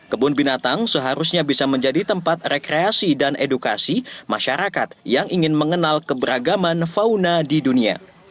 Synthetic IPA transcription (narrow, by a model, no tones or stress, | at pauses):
kəbʊnbinat̪aŋsəɦaɾusɲabisaməɲd͡ʒadit̪əmpat̪rekɾeasidanʔeduka̰simaʃaɾakat̪̚jaŋʔiŋɪnməŋənalkəbəɾaɡamanfaunadidunia̰